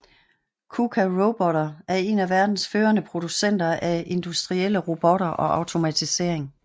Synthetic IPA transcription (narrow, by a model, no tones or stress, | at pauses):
kʰukʰæʁob̥ɒɾɐʔæɐe̝næʋæɐd̥n̩sføːɐnəpʰʁo̝d̥usen̰d̥ɐʔæʔe̝nd̥usd̥ʁiel̰əʁo̝b̥ɒɾɐʔɒ̽ʔɑ̈ʊt͡sʰo̝mæt͡sʰise̝̰ɐ̰e̝ŋ